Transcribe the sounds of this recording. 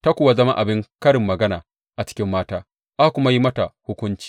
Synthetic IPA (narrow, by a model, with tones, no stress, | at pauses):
ta˦kʷʊ˨wa˦zɐ˦ma˦ʔa˨bɪ˦ŋkɐ˦ɽɪ˨mːɐ˨ɡɐ˦naː˨ | ʔa˨t͡ʃɪ̥˦kʲɪ˦mːaː˦taː˦ | ʔa˦kʷʊ˦ma˦ji˦mɐ˦ta˨hʊ˦kʷʊ˦nt͡ʃi̥ː˨